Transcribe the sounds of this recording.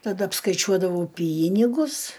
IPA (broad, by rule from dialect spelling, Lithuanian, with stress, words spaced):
tɐˈdɐ ɐpskɐɪˈt͡ʃʲuɔdɐʋɐʊ ˈpʲiːnʲɪɡʊs